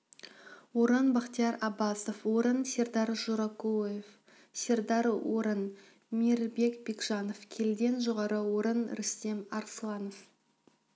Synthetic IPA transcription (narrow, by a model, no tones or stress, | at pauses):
woɾənbɑqt̪ijɑɾɑbɑsofwoɾənsʲe̞ɾd̪ɑɾʒoɾɑkojef | sʲe̞ɾd̪ɑɾwoɾən | miɾbe̞kbekʒ̥ɑnofkʲʰe̞ld̪e̞nʒoʁɑɾəwoɾənɾɪst̪e̞mɑɾslˠɑnof